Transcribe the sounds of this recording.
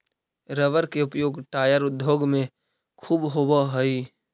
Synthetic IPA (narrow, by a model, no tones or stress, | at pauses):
ɾəʋəɾkeʊpjoːɡʈaːjəɾʊd̪ʱjoːɡmẽ | kʰuːbɦobaɦəi